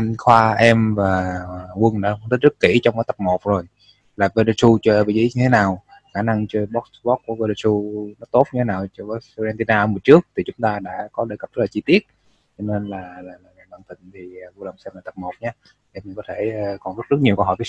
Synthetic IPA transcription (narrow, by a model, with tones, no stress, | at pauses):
ʔa˧ŋxwaː˧ʔɛ˧mvaː˨˩˨kwə˧nɗ̰nt̪̚ʰzt̚kːḭ˧˩t͡ɕɔ˧wŋ͡mkaː˨˦t̪ə˨˩p̚mo˨˩t̚zo˨˩j | laː˨˩ve˧lə˧su˧t͡ɕɔ˧ʔvi˧˩zḭ˧˥˦ɲɨ˧t̪ʰe˨˦naː˨˩w | xaː˧˩na˧ŋt͡ɕɔ˧ɓɔ˦˥k̚ɓɔ˦˥t̚ku˧˩əve˧lə˧su˧nɔ˨˦t̪o˦˥t̚ɲ˧tʰe˨˦naː˨˩wt͡ɕɔ˧ɓɔ˨˦˥zɛ˧nt̪i˧naː˧ʔə˧mu˨˩ət͡ɕɨ˦˥ək̚t̪ʰi˨˩t͡ɕʊ˨˦ŋ͡mt̪aː˧ɗa̰ː˧˥kɔ˨˦ɗe˨˧˩kə˨˩p̚zə˦˥t̚laː˨˩t͡ɕi˧t̪i˦˥ət̚ | t͡ɕɔ˧ne˧nlaː˨˩laː˨˩laː˨˩aː˨˩ɓaː˧˩nt̪ï˨˩ŋ̟t̪ʰi˨˩˨vo˧lə˨˩wŋ͡msɛ˧mlaː˨˩t̪ə˨˩p̚mo˨˩t̚ɲaː˧˨ | ʔm˨˩kɔ˨˦t̪ʰe˧˩˨kɔ˨˩nzə˦˥t̚zə˦˥t̚ɲi˨˩əkə˧wɦɔ̰˧˨t̪ʰː